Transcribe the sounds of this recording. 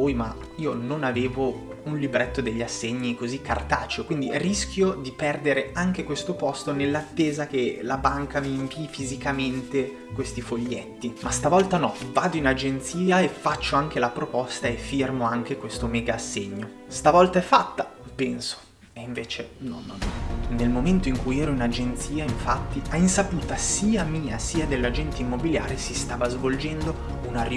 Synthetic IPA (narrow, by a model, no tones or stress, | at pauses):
vujma | iːononaveːvo | unlibɾet̪ːod̪eʎːiasːeɲːikozikːa̰rt̪aːt͡ʃokwind̪irisk̟jod̪ipɛrd̪eɾeaŋk̟ekwest̪opɔst̪onelːat̪ːeːzak̟elabaŋkamiːmpiːfizikament̪e | kwest̪ifoʎːet̪ːimast̪avɔlt̪anɔvaːd̪oinad͡ʒent̪siːaefːat͡ʃːoaŋk̟elapɾopɔst̪aefːirmoaŋk̟ekwest̪omɛːɡaːsːeɲːo | st̪avɔlt̪aɛfːat̪ːapɛnso̥ | eiɱveːt͡ʃenɔ̰nːɔ̰nːɔ̰nelmoment̪oiŋkujɛːɾoinad͡ʒent̪siːaiɱfat̪ːiʔainsapuːt̪asiːamiːasiːad̪elːad͡ʒɛnt̪eimːobiljaːɾisist̪aːvazvold͡ʒɛnd̪o | unari